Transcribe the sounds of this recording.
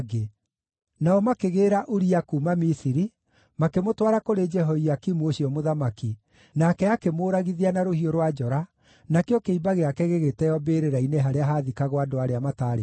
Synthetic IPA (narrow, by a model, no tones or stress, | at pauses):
ɡe | naɔmakeɣeɾaʔoɾiakuːmamisiɾi | makemotwaɾakoɾed͡ʒɛɦɔiakimuoɕiɔmoðamaki | nakɛakemoːɾaɣiðianaɾohioɾwad͡ʒɔɾa | nakeɔkeibaɣeakɛɣeɣetɛjɔbeɾeɾaineɦaɾeaɦaðikaɣwadoaɾeamataːɾe